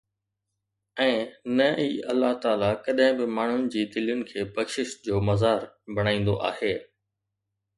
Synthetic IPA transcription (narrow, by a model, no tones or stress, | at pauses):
ɛ̃ːnɐʔiːɐlːaɦt̪aːlakɐɗɦɪ̃bɪmaːɳ̤ʊnɪ̆d͡ʑiːd̪ɪljʊnɪ̆kʰeːbɐkʃɪʃd͡ʑoːmɐzaːɾbʱɐɽ̃aːĩːn̆d̪oʔa̰ːheː